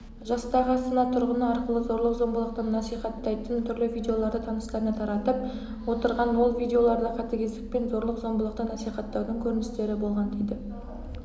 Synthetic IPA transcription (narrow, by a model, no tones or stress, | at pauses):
ʒɑst̪ɑʁəsənɑt̪ʰʊɾʁənəɑɾqəlˠəzo̞ɾlˠəqzo̞mbəlˠəq̚t̪ənɑsijχɑt̪ːɑjt̪ənt̪ʰʏɾlɪvʲijd̪ʲeo̞lˠɑɾd̪ət̪ʰɑnəst̪ɑɾənət̪ʰɑɾɑt̪əp̚ | wo̞t̪əɾʁɑnwo̞lˠvʲijd̪ʲeo̞lˠɑɾd̪əqʰɑt̪ɪkʲʰe̞zd̪ɪk̚pe̞nzo̞ɾlˠəqzo̞mbəlˠəqt̪ənɑsijχɑt̪ːɑwd̪əŋkʲʰɵɾɪnɪst̪e̞ɾɪbo̞lˠʁɑnd̪ejd̪ɪ